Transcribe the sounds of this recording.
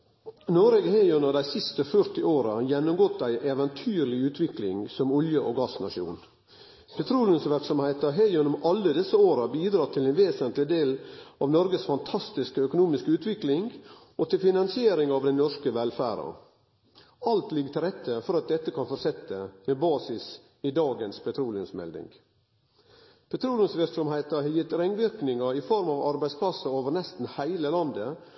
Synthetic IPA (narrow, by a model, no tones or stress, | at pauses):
noːɾeɡheɪʉnəd̪æɪsɪst̪əfœɾt̪ɪoːɾɑjɛnːʊmɡɔt̪ːæɪʔeːʋɛnt̪ʰyːɾlɪʉːt̪ʰʋɪklɪ̰ŋsɔmɔljəʔɔɡɑsnɑ̰ʃjṵːn | pʰɛt̪ʰɾuːljənsʋɪɾksɔmhæɪt̪ɑɦeʉnʊmɑlːəd̪ɛsːəoːɾɑbiːd̪ɾɑːt̪ʰɪlɛnʋeːsənt̪lɪd̪eːlɑʋnɔɾɡəsfɑnt̪ʰɑst̪ɪskəœkʊnuːmɪskəʉːt̪ʰʋɪklɪŋʔɔt̪ʰɪlfɪnɑnsɪeːɾɪŋɑʋd̪ɛnɔʂkəʋɛlfæ̰ːɾə̰ | ɑlt̪lɪɡːət̪ʰɪlɾɛt̪ːəfɔɾɑt̪̚d̪ɛt̪ːəkʰɑnfɔɾsɛt̪ːəmɛbɑːsɪs | ɪd̪ɑːɡənspʰɛt̪ʰɾuːlɪʊnsmɛ̰ld̪ɪ̰ŋ | pʰɛt̪ʰɾuːljənsʋɪɾksɔmhæɪt̪əɾhɑjɪt̪ːɾɛŋʋɪɾknɪŋɑɪfɔɾmɑʋɑɾbæɪspʰlɑsːəoːʋəɾɳɛst̪n̩hæɪləlɑnd̪ə